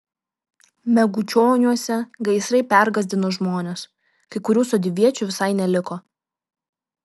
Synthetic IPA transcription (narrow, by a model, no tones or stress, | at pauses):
mʲɛɡʊt͡ʃʲoːnʲuɔsʲɛɡɐɪsɾɐɪpʲæɾɡɐzʲd̪ʲɪnoːʒmoːnʲes | kɐɪkʊɾʲuːsoːd̪ʲɪʋʲiɛt͡ʃʲuʋʲɪsɐɪnʲɛlʲɪkoː